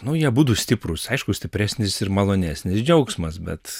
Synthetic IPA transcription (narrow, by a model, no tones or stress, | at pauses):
nʊjiɛbuːt̪uːsʲt̪ʲɪpɾʊsɐɪʃkʊsʲt̪ʲɪpʲɾʲæːsʲnʲɪsɪrmɐlˠoːnʲæːsʲnʲɪsd͡ʒʲɛʊksmɐsbʲɛ̰t̪